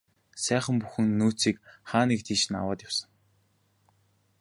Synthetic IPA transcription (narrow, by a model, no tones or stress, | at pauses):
sæːχə̆mpuxɘ̆ŋnːuːt͡siːkχaːniːk̚t̪ʰiːʃɘ̆na̰waːt̪jʊw̥sə̆ŋ